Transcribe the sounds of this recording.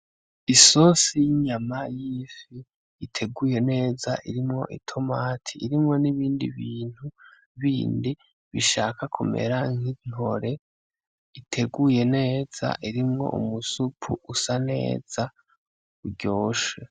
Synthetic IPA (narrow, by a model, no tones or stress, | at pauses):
iso̞sijiɲamajiːfiː | tʰe̞ɡuje̞ne̞ːzaʔiɾimŋo̞̰ʔitʰo̞maːtʰi̥ːɾimŋo̞niβiːndḭβiːn̥hu | βiːndi | βiʃaːkakʰume̞̰ɾaŋiŋo̞ɾe̞ | itʰe̞ɡuje̞ne̞ːz̥a̰ʔiɾimŋo̞̰ʔṵmusupʰuʔusane̞̰ːz̥a | uɾɟo̞ːʃe